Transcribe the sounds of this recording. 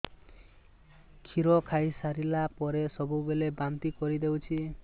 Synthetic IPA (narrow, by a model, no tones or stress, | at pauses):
kʰiɾɔkʰajsaɾilapɔɾesɔbubelebamt̪ikɔɾid̪ewt͡ʃʰi